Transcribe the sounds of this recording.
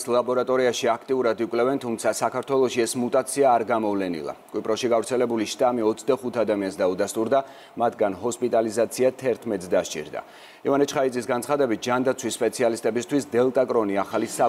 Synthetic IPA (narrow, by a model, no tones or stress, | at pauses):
slˠabɔɾat̪ʼɔɾiaʃiakʰt̪ʼiuɾad̪ikʷʼlɛvɛnt̪ʰumt̪sʰasakaɾt̪ʰwɛlˠɔʃiɛsmut̪ʼat̪sʰiaːɾɡamɔvlɛnḭlˠa̰kʼwipʼɾɔʃiɡavɾt̪sʰɛlɛbuliʃt̪ʼamiɔt̪sʰd̪aχut̪ʰad̪amiansd̪aud̪ast̪ʼuɾd̪a | mat̪ʰɡanhɔspʼit̪ʼalizat̪sʰiat̪ʰɛɾt̪ʰmɛt̪sd̪aʃt͡ʃʼḭɾd̪a̰ | ivanɛt͡ʃʰχaid̪zisɡant̪ʰχad̪ɛbit̪̚d͡ʒand̪at̪sʰwisːpʼɛt̪sʰialist̪ʼɛbist̪ʰwisd̪ɛlˠt̪ʼakʼɾɔniaχalisa